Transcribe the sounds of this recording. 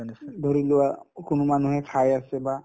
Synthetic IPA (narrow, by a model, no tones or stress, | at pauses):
nd̪ʱoɾilewakunumanuɦɛkʰajaseba